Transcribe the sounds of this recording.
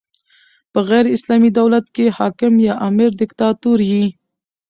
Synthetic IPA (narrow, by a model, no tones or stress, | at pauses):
pəɣɛjɾɪslɑmid̪awlat̪kehɑkɪmjɑʔɑmɪɾd̪ɪkt̪ɑt̪uɾji